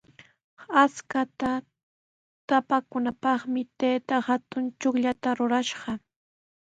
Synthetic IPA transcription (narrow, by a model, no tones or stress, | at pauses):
askat̪a | t̪apakʊnapɑχmɪt̪ejt̪ahat̪ʊnt͡ʃʊkʎat̪aɾʊɾaʃɢɑ